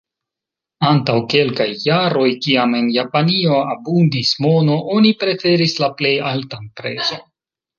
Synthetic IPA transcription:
antawke̞lkajːaɾo̞jkiame̞njapanio̞abundismo̞no̞ʔo̞nipɾe̞fe̞ɾislaple̞jaltanpɾe̞zo̞

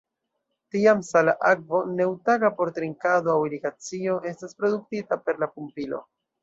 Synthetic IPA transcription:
tiamsalaʔak̚vo̞ne̞wtaɡapo̞ɾtɾiŋkadoawiɾiɡat͡sio̞ʔe̞staspɾo̞duk̚titape̞ɾlapumpilo̞̰

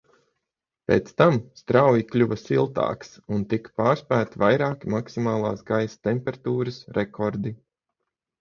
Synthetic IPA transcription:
pʲḛːt̪st̪amst̪ɾawjiklʲuvɐsilˠt̪a̰ːksunt̪ikpaːɾspæːt̪ivajɾaːkimaksimaːlˠa̰ːsɡajst̪ɛmpʲɛɾat̪uːɾɐsɾɛkʰɔɾd̪i

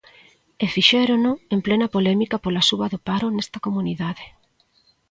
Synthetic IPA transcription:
efiʃɛɾonʊemplɛnɐpolɛmikɐpolasuβɐðopaɾonest̪ɐkomuniðaðe

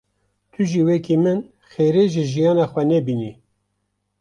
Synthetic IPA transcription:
t̪ʰuʒiːwɛkimɨn | xeːɾeːʒɨʒijɑːnɑːxʷɛnɛbiːni

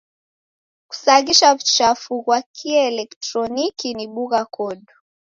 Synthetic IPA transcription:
ku̥saɣiʃavut͡ʃafuɣwakʰiɛɛlɛktɾɔnikiniɓuɣakɔɗu

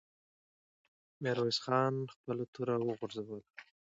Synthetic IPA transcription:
meɾwasxɑnxpəlat̪uɾawəɣuɾzawəl

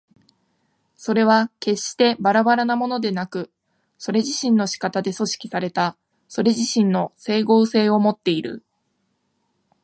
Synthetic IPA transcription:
so̞ɾe̞β̞ake̞ɕːi̥t̪e̞baɾabaɾanamo̞no̞d̪e̞nakɯ̟ | so̞ɾe̞ʑiɕĩnːo̞ɕi̥kat̪ad̪e̞so̞ɕi̥kʲi̥saɾe̞t̪a | so̞ɾe̞ʑiɕĩnːo̞se̞ːɡo̞ːse̞ːo̞mo̞t̪ːe̞iɾɯ̟̰

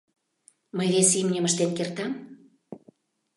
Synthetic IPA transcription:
məjβesimnʲəməʃt̪enkert̪ɑm

